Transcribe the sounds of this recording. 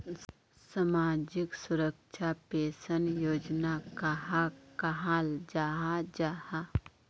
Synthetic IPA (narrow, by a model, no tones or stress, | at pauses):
samaːd͡ʒɪksʊɾəkʃʰapeːsənjoːd͡ʒnakaɦakaɦaːld͡ʒaːɦad͡ʒaːha